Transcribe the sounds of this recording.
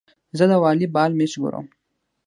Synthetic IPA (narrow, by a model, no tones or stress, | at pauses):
zəd̪əwɑːlibɑːlmet͡ʃɡo̰ɾo̰m